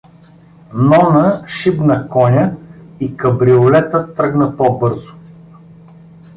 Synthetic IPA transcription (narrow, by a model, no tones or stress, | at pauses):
nɔnəʃibnɐkɔnʲəikɐbɾiolɛt̪ət̪ɾɤɡnəpɔbɤɾzʊ̥